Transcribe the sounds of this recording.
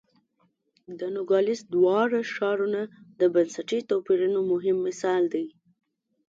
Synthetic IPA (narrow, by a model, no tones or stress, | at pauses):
d̪ənʊɡɑlɪsd̪wɑɽaʃɑɾunad̪əbansaʈit̪ɑpiɾunomʊɦɪmːɪsɑld̪aj